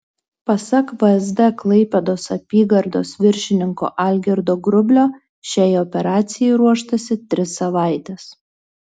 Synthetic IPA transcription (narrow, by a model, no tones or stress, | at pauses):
pɐsɐkbɐɛzd̪ɛklˠɐɪpʲɛd̪oːsɐpʲiːɡɐɾd̪o̰ːsʋʲɪɾʲʃʲɪnʲɪŋko̰ʔalʲɡʲɪɾd̪oːɡɾʊbʲlʲoː | ʃʲæjɔpʲɛɾɑːt̪sʲɪjɛɪɾuɔʃt̪ɐsʲɪt̪ʲɾʲɪsːɐʋɑˑɪt̪ʲɛs